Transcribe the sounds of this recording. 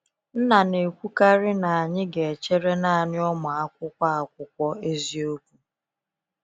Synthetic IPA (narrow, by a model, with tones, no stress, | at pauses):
n̩˦na˨ne˨kʷu˦ka˦ɾɪ˦na˨a˨ɲɪ˦ɡe˨e˨t͡ʃe˦ɾe˦na˦a˨ɲɪ˦ɔ˦mʊ˨a˦kʷʊ˦kʷa˦a˨kʷʊ˦kʷɔ˦e˦zi˦o˦kʷu˦